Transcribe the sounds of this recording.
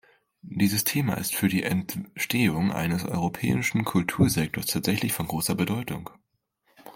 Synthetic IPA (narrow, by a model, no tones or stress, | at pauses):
d̥iːzəstʰeːma̰ɪ̰stfyːɐdiːʔɛntʃtʰeːʊŋʔa̰ɪnəsʔɔ̰ʏʁopʰɛ̰ːɪʃn̩kʰʊltʰuːɐzɛk̚tʰoɐstʰaːtz̥ɛçlɪçfɔnɡʁoːsɐbədɔʏtʊ̰ŋ